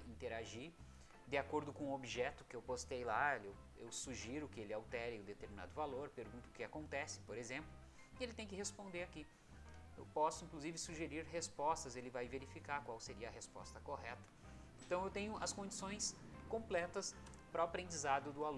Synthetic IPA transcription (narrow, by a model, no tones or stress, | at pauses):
ĩnt̪eɾaʒiɾ | d̪ɪakoɾd̪ʊkõobiʒɛt̪ʊkɪewpost̪ejlaelew | ḛwsuʒiɾʊkɪelɪawt̪ɛɾɪʊd̪et̪eɾmina̰d̪ʊvaloɾpeɾɡũnt̪ʊkɪakõnt̪ɛsɪ̥poɾezẽmplʊ | elɪt̪ẽj̃kɪɦespõnd̪eɾaki | ewpɔsʊĩŋkluzivɪsuʒeɾiɾɦespɔst̪ɐzelɪvajveɾifikaɾkwawseɾiɐɐɦespɔ̰st̪ɐkoɦɛt̪ɐ̥ẽnt̪ɐ̃w̃ewt̪ẽɲʊʔɐskõnd͡ʒisõj̃s | kõmplɛt̪ɐs | pɾɐwapɾẽnd͡ʒizad̪ʊd̪ʊalũ